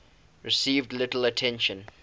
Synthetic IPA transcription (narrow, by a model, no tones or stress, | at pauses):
ɹɪsiːvdlɪtl̩ətʰɛ̃nʃə̃n